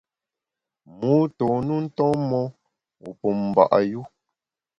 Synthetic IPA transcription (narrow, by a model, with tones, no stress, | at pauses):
mu˨˦to˨nu˦n̩˦tɔ̃˦mɔ˦ | u˨puo˨m˨ba̰˨ʔa̰˨ju˦